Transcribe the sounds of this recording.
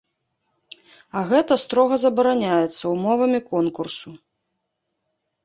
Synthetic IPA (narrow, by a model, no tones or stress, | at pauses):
ɐɣɛt̪ɐst̪ɾɔɣɐzɐbɐɾanʲajɛt̪sːɐwmɔvɐmʲikɔnkursu